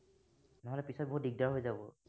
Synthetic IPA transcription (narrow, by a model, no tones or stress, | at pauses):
nɔɦɔlɛpisɔt̚boɦut̚diɡ̚daɦojzabɔ